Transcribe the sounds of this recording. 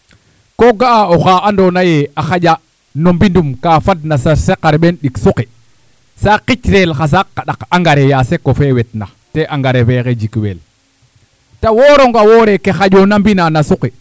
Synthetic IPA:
koɡaʔaoxaːandonajeaxaɟa | nombindumkafad̚nasaɾsekaɾɓenɗiksuke | saqit͡ʃɾelxas̬akːaɗakaŋɡaɾejasekofewetna̰ | teʔaŋɡaɾefeked͡ʒikwḛl | tawoɾoŋɡawoːɾekexad͡ʒonambinanasuke

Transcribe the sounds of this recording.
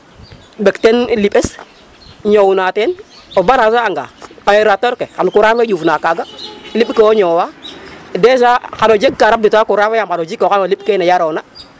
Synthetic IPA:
bektenlipes | ɲowunaten | obaɾasaaŋɡa̰ːajeɾatoɾkekankuɾamed͡ʒufnakaɡaliɓkeoɲowadɛs̬akanod͡ʒeɡ̚kaɾabitakuɾamejamkanod͡ʒikːokanolip̚kenejaɾona

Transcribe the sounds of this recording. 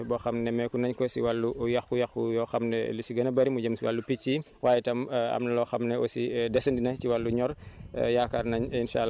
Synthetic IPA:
bɔxɐmnɛmɛkunɐɲkɔsḭwalːujɐxkujɐxujɔːxɐmnɛ̰lusiɡɐnɐbɐɾimuɟɐmsiwalːupit͡ʃːi | waːjɛtɐmɐ̰mnɐlɔxɐmnɛɔ̰sidɛsɐndinɐciwalːuɲɔr̰jaːkarnɐɲinʃa̰ːl

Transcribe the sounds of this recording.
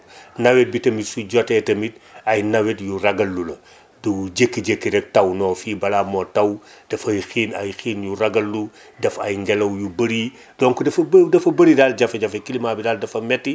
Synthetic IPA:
nɐwet̚bitɐmitsuɟɔtɛtɐmit̚ɐjnɐwetjurɐɡɐlːulɐ | duɟekːiɟekːiɾɛk̚tɐwnɔːfiːbɐlamɔtɐwd̥ɐfɐjxiːnɐjxiːnjuɾɐɡɐlːu | dɐfɐjŋɡɛlɐwjubəɾi | d̥ɔŋkudɐfɐdɐfɐbɐɾidald͡ʒafɐɟɐfɐkilimaːbidaːldɐfɐmɛtːi

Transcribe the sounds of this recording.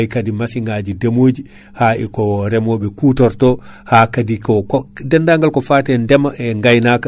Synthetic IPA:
jkadimasiŋɡad͡ʒidemoːd͡ʒi | haɛkɔɾɛmɔɓɛkutɔɾtɔhaːkadikɔkɔdɛndaŋɡalkɔfaːtɛndɛmaɛŋɡajnaka

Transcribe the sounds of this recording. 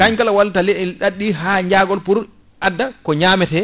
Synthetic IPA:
kaɲkalawaltalɛɗaɗːiɦaːɲd͡ʒaːɡɔlpuɾ | ʔadːakɔɲaːmɛtɛ

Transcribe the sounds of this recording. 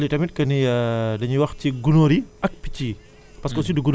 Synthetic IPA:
litamit̪̚kəniədaɲiwak̚t͡ʃiɡunoɾiak̚pi̥t͡ʃi | paskɔsiduɡun

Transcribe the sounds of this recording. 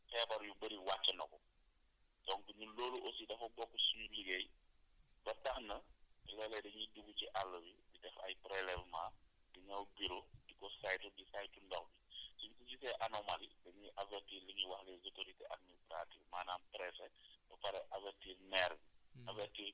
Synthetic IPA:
fɛːbɐɾjubɐɾiwat͡ʃːɐnɐ̰kɔ | sɔŋkuɲulɔːluʔosidɛfɐbɔkːusuɲuliɡej | bɐtɐxnɐlɛlɛdɐɲiduɡut͡ʃiʔalːɐwididɛfɐ̰jpɾɛlɛvmaː | diɲɐwbiɾudikɔsajtudisajtundɔxbisunsuɟisɛʔanɔmalidɐɲiʔavɛrtiːɾliɲiwɐxlɛzotoɾitɛʔa̰dministɾa̰tivmaːnaːnpɾɛsɛbɐpɐɾɛʔavɛɾtiːrnɛɾbiɐvɛrtiː

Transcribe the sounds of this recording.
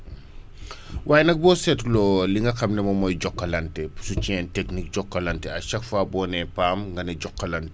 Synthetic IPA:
waːjnɐk̚bɔsɛtlɔːliŋɡɐxɐmnɛmɐmɔjɟɔkːɐlɐntesut͡ʃɛːnteknik̚ɟɔkːɐlɐntɛɐʃɐkfaːbɔːnɛpaːmŋɡɐnɐɟɔkːɐlɐnte̥

